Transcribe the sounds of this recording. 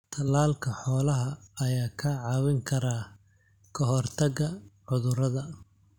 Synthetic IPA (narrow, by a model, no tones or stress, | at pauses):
t̪ʰɐlaːlkʰɐħɔːlɐɦɐɐjaːkʰɐʕɑːwɪŋkʰɐɾaː | kʰɐɦɔrt̪ʰɐɣɐʕʊðʊɾɐðɐ